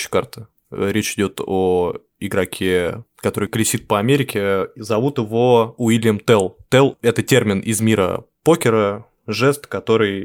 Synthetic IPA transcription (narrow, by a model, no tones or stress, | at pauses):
ɪ̥kart̪ɨ̥ | ɾʲet͡ɕɪdʲo̞t̪ʰo | ɪɡɾɐkʲʰekɐt̪o̞ɾɨjklʲɪsʲit̪̚pəɐmʲeɾʲɪkʲɪzɐvut̪ɪvo̞ʊilʲjəmt̪ɛlˠt̪ɛlˠɛt̪ətʲermʲɪnʔɪ̰zmʲiɾə̰ | po̞kʲɪɾə | ʐɛst̪kɐt̪o̞ɾɨj